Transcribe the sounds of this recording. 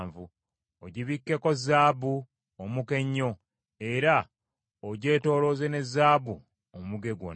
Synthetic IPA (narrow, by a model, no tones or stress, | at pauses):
ɱvu | oɟiβikːe̞ko̞zaːbu | omuke̞ɲːo̞ | e̞ɾa | oɟe̞ːto̞ːlo̞ːzene̞zaːbu | omuɡe̞ɡwo̰